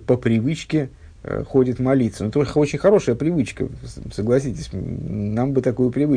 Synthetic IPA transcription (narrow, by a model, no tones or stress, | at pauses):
pəpɾʲɪvɨt͡ɕkʲɪ̰ | xo̞tʲɪt̪mɐlʲit̪sənut̪oʐot͡ɕɪnʲxɐɾo̞ʂəjəpɾʲɪvɨt͡ɕkə̰səɡlˠɐsʲitʲɪsʲnambɨt̪ɐkojʊpɾʲɪvɨ